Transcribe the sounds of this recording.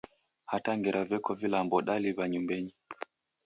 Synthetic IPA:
hataŋɡɛɾʔavɛkɔvilambɔɗaliβaɲumbɛɲi

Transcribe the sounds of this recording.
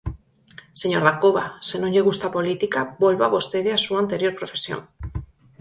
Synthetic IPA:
seɲoɾðakoβa̰senõɲʎeɣust̪apo̞lit̪ikabolβaβo̞st̪eðeasuant̪eɾjo̞ɾpɾofesjo̰ŋ

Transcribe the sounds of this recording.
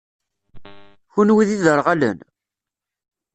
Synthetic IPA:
çunwiðiðəɾˤʁælə̰n

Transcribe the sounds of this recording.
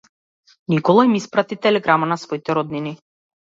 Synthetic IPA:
nikɔlˠaimispɾat̪it̪ɛlɛɡɾamanasvɔit̪ɛɾɔd̪nini

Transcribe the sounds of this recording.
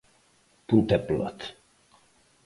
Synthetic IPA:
put̪ɛplɔ̰t̪

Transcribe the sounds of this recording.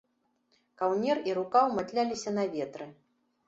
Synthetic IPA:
kawnʲɛriɾukawmat̪lʲalʲisʲɐnɐvʲɛt̪ɾɨ

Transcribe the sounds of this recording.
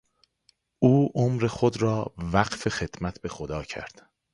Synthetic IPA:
uːʔomɾe̞xod̪ɾɒːvæɢfe̞xe̞d̪̥mæt̪ʰbe̞xod̪ɒːcʰæ̰ɾd̪̥

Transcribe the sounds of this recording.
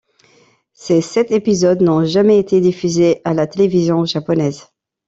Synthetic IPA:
sesɛt̪epizɔd̪nɔ̃ʒamɛet̪ed̪ifyzeʔalat̪elevizjɔ̃ʒapɔnɛz

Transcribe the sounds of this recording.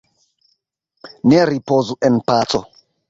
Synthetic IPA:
neɾipozuʔɛnpat͡so̰

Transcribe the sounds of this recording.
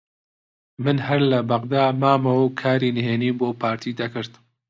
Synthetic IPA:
mɨnɦɐɾlɐbɐɣd̪aːmaːmɐwɐkʰaːɾiːnɨɦeːniːboːpʰaːɾt̪ʰiːd̪ɐkɨɾt̪

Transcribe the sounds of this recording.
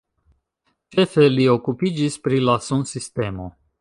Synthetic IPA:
t͡ʃe̞fe̞lio̞kupid͡ʒispɾilasunsiste̞mo̞

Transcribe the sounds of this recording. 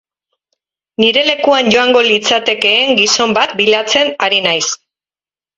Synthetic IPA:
niɾe̞le̞kuanɟo̞aŋɡo̞lit͡sat̪e̞ke̞ːŋɡiso̞mbat̪̚biʎat͡se̞naɾinajs

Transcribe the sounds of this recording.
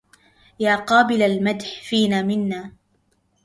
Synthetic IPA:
jaːqɑːbɪlalmad̪ħfiːnaːmɪnːaː

